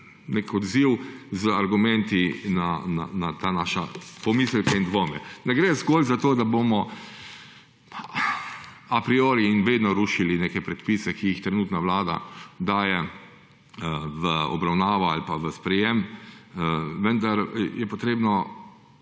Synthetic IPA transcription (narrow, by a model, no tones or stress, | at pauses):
nekɔd̪ziwzəaɾɡumɛnt̪inana̰nat̪anaːʃapɔmiːslkaind̪ʋoːmɛnɛɡɾɛzɡoːlzat̪oːd̪abomɔ | apɾioːɾiːnʋeːd̪nɔɾuːʃilinekɛpɾɛt̪pisɛkiixt̪ɾɛnuːt̪naʋlaːd̪a̰d̪aːjɛ | ʋəɔ̰bɾawnaːʋɔa̰lpaʋəspɾɛjem | ʋənd̪aɾjɛpɔt̪ɾeːbnɔ